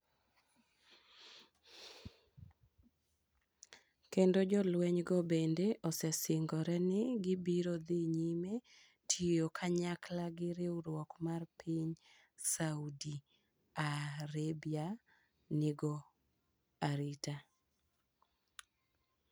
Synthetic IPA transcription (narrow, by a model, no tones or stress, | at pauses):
kendod͡ʒɔlwɛɲɡɔbendeʔɔsɛsɪŋɡɔɾɛnɪɡɪbiɾod̪ɪɲime | tʰijokʰaɲaklaɡɪɾeuɾwɔkmarpʰɪɲ | saudi | aɾebia | nɪɡɔ | aɾita